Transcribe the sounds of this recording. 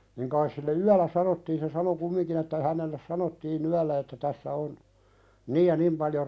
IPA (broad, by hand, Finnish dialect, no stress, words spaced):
niŋ kɑis silːe yælˑæ sɑnotːiːn se sɑno kumːiŋkin etːæ ihænelːes sɑnotːiːn yælːæ etːæ tæsːæ on niːj jɑ nim pɑljo